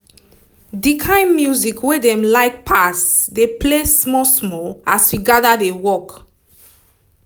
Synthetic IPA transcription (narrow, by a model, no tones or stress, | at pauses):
dikʰãnmjuzikwedɛ̃mlaɪk̚pʰasdeplesmɔsmɔaswiɡadadewɔk